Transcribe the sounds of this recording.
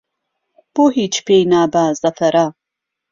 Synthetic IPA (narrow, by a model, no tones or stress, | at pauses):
b̥oːɦiːt͡ʃpejnaːbaːzɐfɐɾa